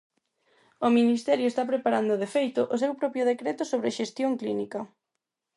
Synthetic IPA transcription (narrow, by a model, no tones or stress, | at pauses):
ominist̪ɛɾjʊest̪apɾepaɾand̪ʊðefejt̪ʊʔosewpɾɔpjʊð̞ekɾet̪ʊsoβ̞ɾeʃest̪joŋklinikɐ